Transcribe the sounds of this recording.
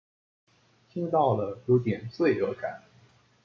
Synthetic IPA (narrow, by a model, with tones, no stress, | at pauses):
t̪ʰi˥ŋt̪ɑ˥˩ʊlə˩jo˧˥ʊt̪jɛ˨˩nt͡swe˥˩ɪɤ˧˥ka̰˨˩˦n